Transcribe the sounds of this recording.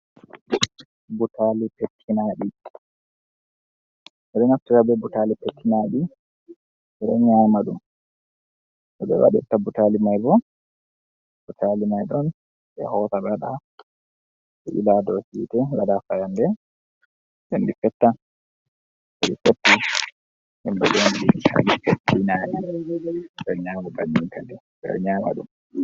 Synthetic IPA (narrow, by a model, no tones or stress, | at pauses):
butalipetʰːinaɗi | ʔɛɗɛŋaf̚tikabɛbutalipetːinaɗi | ɛɗɛ̰ɲaːmaɗum | ʔɔɓɛ̰wa̰ɗɛ̰tabutalimajbɔ | butʰalimajɗɔn | bɛ̰hɔtaɓɛaɗa | ɓɛʔḭladɔsitɛwadafajandɛ | ɗendifɛtːa | ʔɛɗifotːi | himbɛd͡ʒondiɗia̰lifoinaːɗi | ɗɔɲaːmɔbaɲːintʰadɛ | bɛ̰ɔ̰ɲama̰ɗṵm